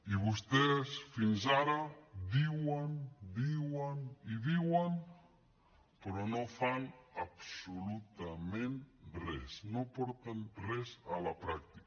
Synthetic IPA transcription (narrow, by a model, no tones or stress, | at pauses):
iβust̪esfinzaɾadiwand̪iwaniðiwan | pɾɔnofanapsulut̪amẽnrɛ̰snopɔɾt̪anrɛzalapɾak̚t̪i̥k